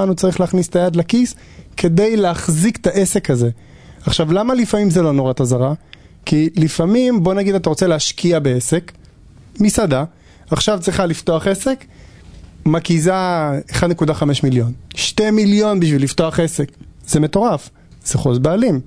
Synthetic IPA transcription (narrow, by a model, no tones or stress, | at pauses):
anut͡saʁiχleaχnist̪ajad̪lakis | kʰe̞d̪e̞jleaχzikt̪aʔe̞se̞khaze̞ | aχʃavlamalifamimzelo̞noʁat̪azaʁa | kilifamimbo̞naɡid̪at̪aʁo̞t͡se̞leːʃkiabeese̞k | misada | aχʃavt͡sʁiχalift̪o̞aχesek | makizaeχadnekudaχameʃmiljo̞nʃtemiljo̞nbiʃvilːift̪o̞aχese̞kzeme̞t̪o̞ʁaf | z̥eχo̞zbeːlim